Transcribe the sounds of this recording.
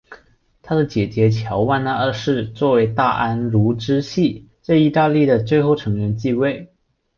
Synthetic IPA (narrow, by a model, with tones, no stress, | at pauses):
t̪ʰa˥d̪ə˨t͡ɕjɛ˨˩t͡ɕjɛ˧˥t͡ɕʰjɑ˧˥ʊwa˥˩nə˧ə˧˥˧ʂɻ̩˥˧t͡swɔ˥˩we˧˥ɪt̪a˥˩ʔa˥nlu˧˥ʈ͡ʂɻ̩˥ɕi˥˩t͡sa˥˧ɪi˥˧t̪a˥˧li˥˩d̪ə˩t͡swe˥˧ɪxo˥˩ʊʈ͡ʂʰɤ˧˥ŋɻə˧˥nt͡ɕi˥˧we˥˩ɪ